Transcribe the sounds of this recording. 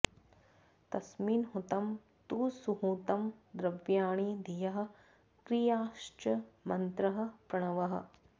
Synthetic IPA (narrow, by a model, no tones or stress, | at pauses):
t̪ɐsmiːnɦut̪ɐm | t̪uːsuɦut̪ɐmd̪ɾɐbjaːɳiːd̪ʱijɐɦɐ̆ | kɾijaːʃt͡ʃɐmɐnt̪ɾɐɦɐ̆pɾɐɳ̃ɐʋɐɦɐ̰̆